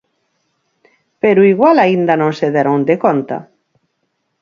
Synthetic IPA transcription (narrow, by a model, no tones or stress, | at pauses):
peɾʊiɣwalaind̪anõŋseðeɾond̪ekont̪a̰